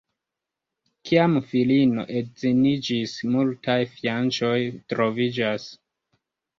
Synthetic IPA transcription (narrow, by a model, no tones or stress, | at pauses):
kʰiamfilino̞̰ʔe̞tzinid͡ʒismultʰajfjant͡ʃo̞jtɾo̞vid͡ʒas